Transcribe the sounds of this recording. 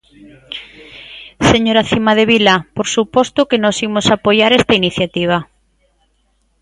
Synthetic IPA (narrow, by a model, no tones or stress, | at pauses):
seɲoɾaθimað̞eβilapoɾsupɔst̪ʊkenɔsimʊsapojaɾest̪ainiθjat̪iβ̞a